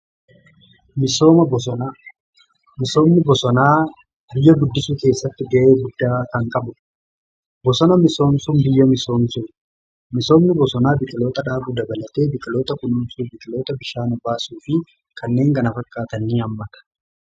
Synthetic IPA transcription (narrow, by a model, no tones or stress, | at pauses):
mɪso̞ːmɐbɔs̬ɔnaː | mɪso̞ːmnɪbɔsɔnaː | bɪjːɐɡʊd̪ːɪsuːke̞ːsːɐt̪ːɪɡɐʔe̞ːɡʊd̪ːaːkɐŋkʼɐbʊ | bɔsɔnɐmɪso̞ːmsʊmbɪjːɐmɪso̞ːmsʊn | mɪso̞ːmnɪbɔsɔnaːbɪkʼɪlo̞ːt̪ɐᶑaːbuːd̪ɐbɐlɐt̪e̞ːbɪkʼɪlo̞ːt̪ɐkʊnʊmsuːbɪkʼɪloːt̪ɐbɪʃaːnɐbaːsuːfɪ | kʰɐnːe̞ːŋɡʼɐnɐfɐkʼːaːt̪ɐnːiːɐmːɐt̪ɐ̥